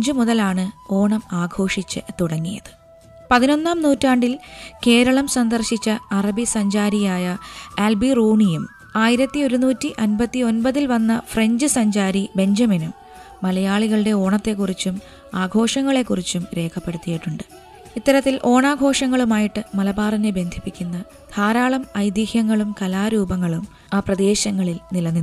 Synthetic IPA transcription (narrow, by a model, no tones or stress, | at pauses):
d͡ʑɨmuðɐlaːɳɨo̞ːɳɐmaːɡʱo̞ːʂit͡ɕːɨt̪uɽɐŋːijɐðɨ̥ | pɐðino̞nːaːmnuːtːaːɳɖilke̞ːɾɐɭɐmsɐnd̪ɐrɕit͡ɕːɐɐrɐbisɐɲd͡ʑaːɾijaːjɐelbiruːɳijum | aːjiɾɐt̪ːio̞ɾunuːtːiʔɐnbɐt̪ːio̞nbɐðilʋɐnːɐfre̞ɲd͡ʑɨsɐɲd͡ʑaːɾibe̞ɲd͡ʑɐminumː | ɐlɐjaːɭiɣɐɭɨɽe̞o̞ːɳɐt̪ːe̞kːurit͡ɕːum | aːɡʱo̞ːʂɐŋːɐɭe̞kːurit͡ɕːumɾe̞ːkʰɐpːe̞ɽut̪ːijiʈːuɳɖɨ̥ | it̪ːɐɾɐt̪ːilʔo̞ːɳaːɡʱo̞ːʂɐŋːɐɭumaːjiʈːɨmɐlɐbaːrinːebe̞nd̪ʱipːikʲːunːɐ | d̪ʱaːɾaːɭɐmɐjd̪ihjɐŋːɐɭumkɐlaːɾuːbɐŋːɐɭum | aːprɐd̪e̞ːɕɐŋːɐɭilnilɐnːi